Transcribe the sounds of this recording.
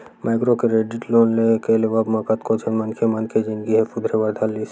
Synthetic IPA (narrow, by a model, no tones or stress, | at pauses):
maːɪkɾokeɾeɖɪʈloːnlekeleʋɐbmɐkət̪kot͡ʃʰənmɐnkʰemɐnkʰed͡ʒɪnɡiɦɛpʊd̪ʱɾeʋɐɾd̪ʰʱalːis